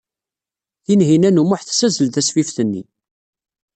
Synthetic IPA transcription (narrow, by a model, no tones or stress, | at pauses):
θinɦinænumʊħθsæzəlt̪æsfifθənːḭ